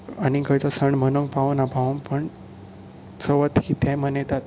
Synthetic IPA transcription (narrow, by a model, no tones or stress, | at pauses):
aniɡʱəjt̪ɔsəɳmənəŋpaʋnapaʋnpəɳ | səʋət̪hit̪ʰɛ̃mənɛt̪at̪